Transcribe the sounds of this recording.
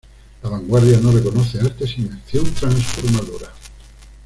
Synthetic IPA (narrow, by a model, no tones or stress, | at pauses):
laβaŋɡwaɾðjano̞reko̞noθe̞aɾt̪e̞simenθjont̪ɾaŋsfoɾmaðoɾa